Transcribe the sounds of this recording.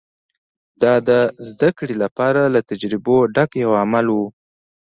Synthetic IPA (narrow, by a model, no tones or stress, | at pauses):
d̪ɑd̪əzd̪akɽilapɑɾalat̪ad͡ʒɾɪboɖakjawamalwu